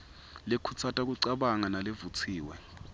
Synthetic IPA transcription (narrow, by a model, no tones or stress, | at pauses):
lekʰut͡sʰatʼak̬uǀaɓaŋanalevut͡sʰiːwɛ̰